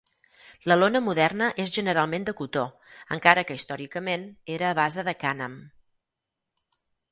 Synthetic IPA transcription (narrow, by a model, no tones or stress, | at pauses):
ləlonəmuðɛrnəʔezʒənəɾalˠmend̪əkut̪o | əŋkaɾəkəist̪ɔɾikəmeneɾəːβazəðəkanəm